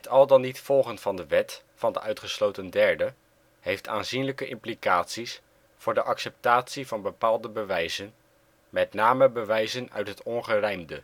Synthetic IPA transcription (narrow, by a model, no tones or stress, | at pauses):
ətɑlˠdɑnːitfɔlˠχəntfɑndəʋɛt | fɑndəʔœɥtχəslowtəndɛɹdə | hejftʰa̰ːnzinləkəʔɪmplikaːtsis | fʊːɹdəʔɑksɛp̚taːtsivɑnbəpaːlˠdəbəʋɛjzən | mɛtnaːməbəʋɛjzənœ̰ɥtɦətɔnχərɛjmdə